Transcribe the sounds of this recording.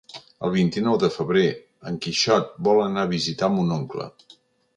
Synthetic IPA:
ə̰lˠβ̞int̪inɔwðəfəβɾe | əŋkiʃɔt̪̚bɔlənaβ̞izit̪amunoŋklə̰

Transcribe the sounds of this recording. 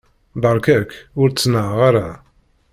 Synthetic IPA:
bɑɾˤkækʊɾt͡sːnəʕʁaɾa

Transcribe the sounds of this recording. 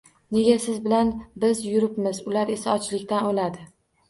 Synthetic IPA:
ne̞ɡʲasɪzbɪlanbɪzjʊɾɪpmɪzʊlaɾe̞saɒt͡ʃlɪkʲt̪anolad̪ɪ

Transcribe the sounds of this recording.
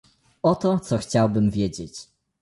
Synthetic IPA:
ɔt̪ɔt̪sɔxt͡ɕawbɘmvʲjed͡ʑet͡ɕ

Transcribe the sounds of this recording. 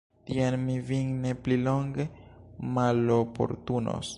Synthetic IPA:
tianmiviŋnepliloŋɡemalopo̰ɾt̪uno̰s

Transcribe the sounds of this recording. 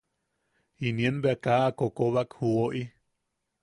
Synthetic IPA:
inienbeakaːkokoβakhuoʔi

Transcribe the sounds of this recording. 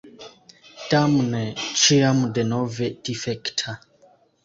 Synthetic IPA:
tamnet͡ʃiamdenovedifektʰa

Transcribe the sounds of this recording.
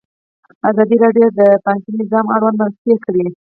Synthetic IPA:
azɑd̪iɾɑɖjod̪əpaŋkinɪzɑmaɽwand̪maɾast̪jekɽi

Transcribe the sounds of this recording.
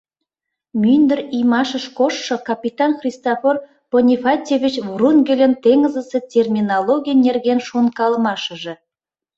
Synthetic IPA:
mʲynd̪ə̆rijmɑʃə̆ʃkoʃːɤ̆kɑpʲit̪ɑnxrʲist̪ofor | ponʲifɑtʲevʲit͡ɕvrunɡʲelʲə̆nt̪eŋəzə̆sĕtʲermʲinolˠoɡʲijnʲerɣenʃunkɑlmɑʃə̆ʒĕ

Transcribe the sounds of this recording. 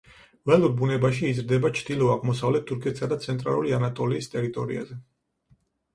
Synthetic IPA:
vɛluɾbunɛbaʃiːzɾd̪ɛbat͡ʃʰd̪ilˠɔaʁmɔsavlɛt̪̚ʰːuɾkʰɛt̪ʰi̥sad̪at̪sʰɛnt̪ʼɾa̰lˠuɾianat̪ʼɔliːst̪ʼɛɾit̪ʼɔɾḭa̰zɛ

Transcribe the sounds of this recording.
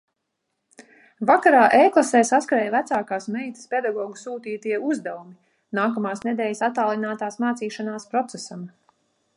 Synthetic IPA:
vakaɾaːʔejklˠasɛːjsaskɾɛːjvæt̪saːkaːsmɛjt̪ə̥spʲed̪aɡɔːɡusuːt̪iːt̪iɛuzd̪ɛvumi | naːkamaːsned̪ɛːjsat̪ːaːlˠinaːt̪aːsmaːt̪siːʃanaːspɾɔt̪sesam

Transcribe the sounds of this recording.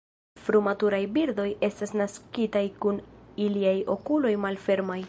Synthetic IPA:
fɾumatuɾajbiɾd̪o̞je̞stasnaskitajkuniliajo̞̰kulo̞jmalfe̞ɾmaj

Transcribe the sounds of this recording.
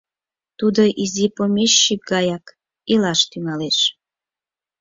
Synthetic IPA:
t̪ud̪oʔizipomeʃːik̚ɡɑjɑk | ilɑʃt̪yŋɑleʃ

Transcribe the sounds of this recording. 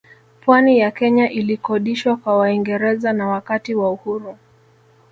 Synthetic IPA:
pwanijakɛɲaʔilikɔɗiʃwakwawaiŋɡɛɾɛzanawakatiwauhuɾu

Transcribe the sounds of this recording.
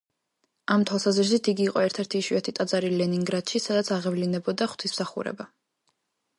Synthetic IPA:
amt̪ʰwalˠsaziʃit̪ʰiɡiːqʼɔɛɾt̪ʰɛɾt̪ʰiːʃiat̪ʰit̪ʼad̪zaɾilɛniŋɡɾad̪̥ʃisad̪at̪sʰaʁɛvlinɛbɔd̪aχw̥t̪ʰism̥saχṵɾɛ̰ba

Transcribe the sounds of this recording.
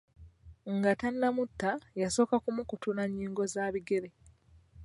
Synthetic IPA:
ŋɡatanːamutːajaso̞ːkakumukutunaɲːiːŋɡo̞zaːβiɡe̞ɾe̞

